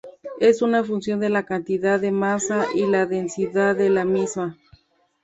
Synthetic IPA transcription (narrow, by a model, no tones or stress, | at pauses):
e̞sunafunsjo̞nd̪e̞lakant̪iðaðemasaʔilaðensiðaðelamisma